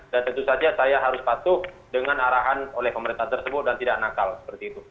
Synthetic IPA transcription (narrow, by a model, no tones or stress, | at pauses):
dant̪ənt̪usad͡ʒasajaɦaɾʊspat̪ʊh | dəŋanaɾaɦanolɛhpəməɾint̪aht̪ərsəbʊt̪̚dant̪idak̚nakalsə̥pərt̪iːt̪u